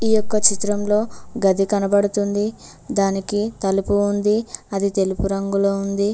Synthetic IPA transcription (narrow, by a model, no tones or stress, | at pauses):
iːjɔkːɐt͡ʃit̪ɾɐmlo̞ːɡɐd̪ikɐnɐbɐɽut̪und̪i | d̪aːnikit̪ɐlupuːnd̪iɐd̪it̪e̞lupuɾɐŋɡuloːund̪i